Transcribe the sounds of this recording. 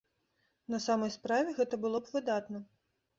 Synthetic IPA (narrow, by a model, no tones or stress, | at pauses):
nɐsamɐjspɾavʲɛɣɛt̪ɐbɨlˠɔbvɨd̪at̪nɐ